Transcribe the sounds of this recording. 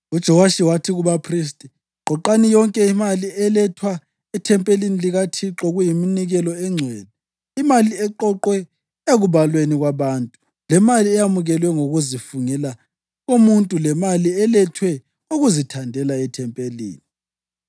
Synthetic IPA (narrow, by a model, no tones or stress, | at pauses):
ud̥ʒ̥ʱɔwaʃiwatʰiɣuβapʰris̬tʼi | ǃɔǃanijɔŋkʼɛimaliɛlɛtʰwa | ɛtʰɛmpʼeliniliɣatʰiǁɔɣujiminiɣɛlɔɛŋ͡ǀʱwɛːlɛ | imaliɛǃɔǃwɛ | eɣuβalweniɣwaβaːntʼu | lɛmaliɛjamuɣɛlwɛŋoɣuzifuŋɛla | ɣumuntʼulɛmaliɛlɛtʰwɛ | uɣuzitʰandʱɛlaɛtʰɛmpʼelḭːni